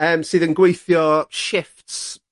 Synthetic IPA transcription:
əːmsiːðə̃nɡwejθjɔʃɪfts

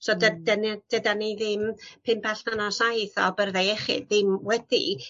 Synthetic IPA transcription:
sodədənid̥ədaniðɪmpʰɪmbɛɬanɔsajθɔbərðɛɛχɪ̰dðɪmwɛd̥ḭ

